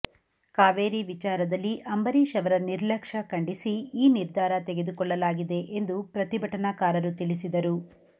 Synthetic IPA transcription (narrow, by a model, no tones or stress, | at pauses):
kaːʋeːɾiʋit͡ʃaːɾɐd̪ɐlːiʔɐmbɐɾiʃɐʋɐɾɐniɾlɐkʂɐkɐɳɖisiiːniɾd̪ʱaːɾɐt̪eɡed̪ukɔɭːɐlaːɡid̪e̞ʔend̪upɾɐt̪ibʱɐʈɐnakaːɾɐɾut̪ilisid̪ɐɾu